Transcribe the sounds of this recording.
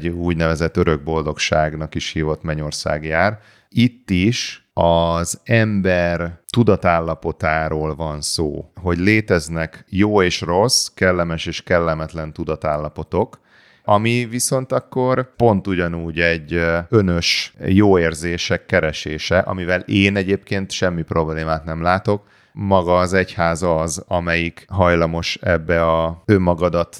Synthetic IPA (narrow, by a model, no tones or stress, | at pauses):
ɟuːɟnɛvɛzɛt̪ːøɾø̞ɡ̚bo̞ld̪o̞kʃaːɡnɒkiʃhiːvo̞t̪mɛɲo̞rsa̰ːɡjaːr | it̪ːiʃɒzɛmbɛrt̪ud̪ɒt̪aːlːɒpo̞t̪aːɾoːlvɒnso̰ːɦo̞ɟleːt̪ɛznɛkjoːeːʃro̞skɛlːɛmɛʃeːʃkɛlːɛmɛt̪lɛnt̪ud̪ɒt̪aːlːɒpo̞t̪o̞k | ɒmiviso̞nt̪ɒkːo̞rpo̞nt̪uɟɒnuːɟɛɟːønøʃjoːeːrzeːʃɛkːɛɾɛʃeːʃɛʔɒ̰mivɛleːnɛɟeːpkeːnt̪ʃɛmːipro̞bleːmaːt̪nɛmlaːt̪o̞k̚ | mɒɡɒːzɛchaːzɒzɒmɛjikɦɒjlɒmo̞ʃɛ̰bːɛɒømːɒɡɒd̪ɒt̪